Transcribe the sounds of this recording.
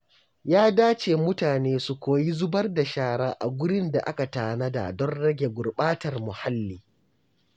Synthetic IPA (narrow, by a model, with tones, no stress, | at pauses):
jaː˦daː˦t͡ʃeː˨mʊ˦taː˨neː˦su˨kʷoː˨ji˦zʊ˦bɐ˦rda˨ʃaː˦ɽaː˦ʔa̰˨ɡʷʊ˦ɽɪ˦nda˨ʔa˦ka˨taː˨na˦da̰˨dɔ˦nɽɐ˦ɡʲe˨ɡʷʊ˨rɓaː˦tɐ˨rmʊ˨ha˦lːiː˨